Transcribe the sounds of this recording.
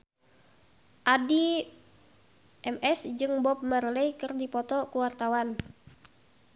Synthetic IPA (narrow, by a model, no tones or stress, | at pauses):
ʔadi | ʔɛmɛsd͡ʒɨŋbɔp̚mərləjkɨrdipɔt̪ɔkuwart̪awan